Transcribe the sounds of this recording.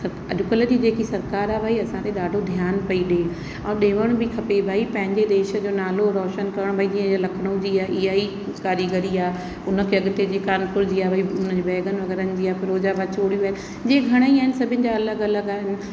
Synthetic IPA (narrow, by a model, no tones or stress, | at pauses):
sɐɾ | ɐ̰ɗʊkələd͡ʑid͡ʑeːkisɐɾkaːɾaːbʱaːiɐsãt̪ʰeɗaːɖʱod̪ʱijaːnpɐiɗe | ɛ̃ːɗeːʋəɽ̃bɪkʰɐpebʱaːipɐ̃ɦɪ̃ɲd͡ʑed̪eːʃə̆d͡ʑoːnaːloɾɔːʃənkɐɾəɽ̃bʱaːid͡ʑĩːə̃d͡ʑalɐkʰɽ̃õd͡ʑiaːʔiaːi | kaːɾiɡəɾiaː | ʊnə̆kʰeɐɠɪt̪ed͡ʑiːkaːnkʊɾd͡ʑiːaːbʱaiʊnəd͡ʑibʱɛːɡənʋɐɡɛːɾənɪ̆d͡ʑiːaːfɪɾoːd͡ʑaʋat͡ɕoːɽijuaːɦɪnɪ̆ | d͡ʑẽːɡʱɐɽ̃əiaːɪnɪ̆sɐbʱɪnɪ̆d͡ʑaɐləɡɐləɡaːɦɪnɪ̆